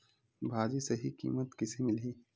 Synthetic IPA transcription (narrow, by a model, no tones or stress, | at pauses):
bʱaːd͡ʒisɐɦikḭːmət̪kɪsemɪlɦiː